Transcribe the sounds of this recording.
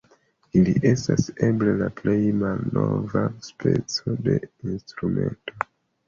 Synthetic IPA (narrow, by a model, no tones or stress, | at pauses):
iliʔe̞staseblelaplejmalnovaspʰe̞t͡so̞de̞instɾume̞nto̞